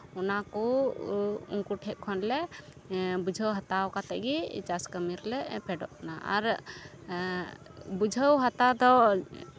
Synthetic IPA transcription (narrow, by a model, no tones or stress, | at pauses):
ɔnakɔ | ṵŋkuʈʰɛp̪̚kʰɔnlɛ | bud͡ʒʱəwɦat̪awkat̪ɛʔɡit͡ʃaskəmiɾlɛpɛɖɔʔkanaʔa̰ɾ | bud͡ʒʱəwɦat̪ad̪ɔ